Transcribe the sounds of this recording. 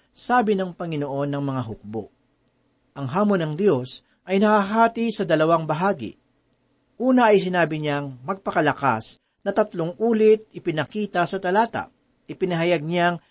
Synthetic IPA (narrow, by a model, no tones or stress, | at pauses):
saːbɪnɐŋpɐŋɪno̞ʔo̞nːɐŋmɐŋaɦʊk̚bo̰ʔ | ʔɐŋɦaːmonɐŋd̪jo̞s | ʔɐjnɐhaɦaːt̪ɪsɐd̪ɐlɐwaŋbɐɦaːɡɪ̰ | ʔuːnɐʔɐjsɪnaːbɪɲaŋmɐɡ̚pɐkɐlɐka̰s | nɐt̪ɐt̪loŋʔuːlɪt̪̚ɪpɪnɐkiːt̪ɐsɐt̪ɐlaːt̪ɐ̰ | ʔɪpɪnɐɦɐjaɡ̚ɲaŋ